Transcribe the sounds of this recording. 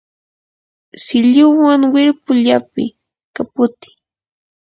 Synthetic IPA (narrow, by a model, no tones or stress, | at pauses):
sɪʎʊwaŋwɪɾpʊʎapɪ̰ | kapʊt̪ɪ̥